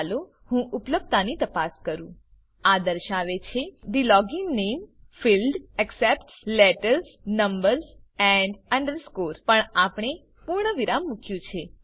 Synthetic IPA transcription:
lo | hũʔupləb̚t̪anit̪əpaskəɾũ | ad̪əɾʃaʋet͡ʃʰeɖilɔɡɪŋnemfilɖɛksepʈslɛʈəɾznəmbəɾzɛ̃ɳɖəɳɖəɾskoɾpəɳapɳ̃e | puɾɳəʋiɾamːukʰjũt͡ʃʰe

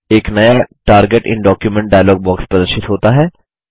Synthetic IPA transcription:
eːknɐjaʈaːɾɡeʈɪ̰̃ɳɖɔːkjumẽɳʈ̚ɖaːjlɔːɡ̚bɔːkspɾɐd̪əɾʃɪt̪ɦoːt̪aɦɛː

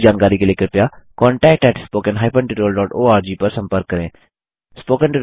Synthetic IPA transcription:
d͡ʒaːnkaːɾikeleːkəɾpjaːkɔ̃ːɳʈɛːk̚ʈɛːʈʰspoːkə̃nɦaːɪpə̃ɳʈɪʈoəlɖɔːʈoːaːɾd͡ʒiːpəɾsə̃mpəɾkːəɾẽː | spoːkə̃nʈɪʈ

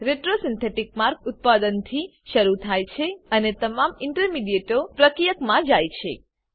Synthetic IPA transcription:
ɾeʈɾosɪnt̪ʰeʈik̚maɾkʊt̪̚pad̪ənt̪ʰi | ʃəɾut̪ʰajt͡ʃʰeənet̪əmamɪɳʈəɾmiɖieʈopɾəkɾijəkmãd͡ʒajt͡ʃʰḛ

